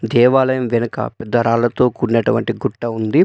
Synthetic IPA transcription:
d̪ɛːʋaːlɐjɐmʋɛnɐkɐ̰pɛd̪ːɐɾaːlɐt̪o̞ːkuːɾneʈuʋɐɳʈiɡuʈːɐund̪i

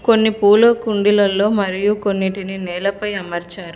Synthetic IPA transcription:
ko̞nːipuːloːkuɳɖilɐlːo̞ːmɐɾijuko̞nːiʈininɛːlɐpɐjɐmɐɾt͡ʃaːɾu

